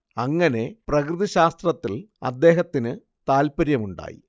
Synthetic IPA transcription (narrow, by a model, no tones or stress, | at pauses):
ɐŋːɐne̞prɐkrɨðɐɕaːst̪rɐt̪ːilɐ̰d̪ːe̞ːɦɐt̪ːinɨ | t̪aːlpɐɾjɐmuɳɖa̰ːjḭ